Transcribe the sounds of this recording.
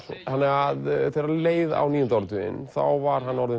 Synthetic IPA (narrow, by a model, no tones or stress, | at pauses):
hanːɛɣaðθeɾaleːjða̰wniːjʏnt̪awɾt̪ʰʏɪ̰nθa̰wvaɾ̥hanːɔɾðʏ